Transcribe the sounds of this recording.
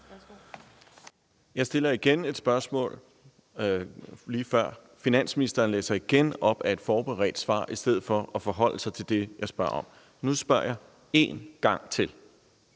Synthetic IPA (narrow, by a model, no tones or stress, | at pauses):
jɑ̈ɪsd̥e̝lɐiɡ̥ene̝d̥sb̥ɶɐsmɔ̰̽ːl | liːfɶɐ̰ | finæn̰sminisd̥ɐːnlḛːsɐiɡ̥enɒ̽b̥æe̝d̥fɒːb̥eʁɛ̰ːd̥sʋɑ̰̈ːʔisd̥eð̰̩ˠfɒ̽ɒfɒɦɒ̽l̰sɑ̈ɪt͡sʰe̝ld̥e̝jɑ̈ɪsb̥ɶɐɒ̽m | nusb̥ɶɐ̰jɑ̈ɪ | e̝ːnɡ̥ɑ̈ŋ̰t͡sʰe̝l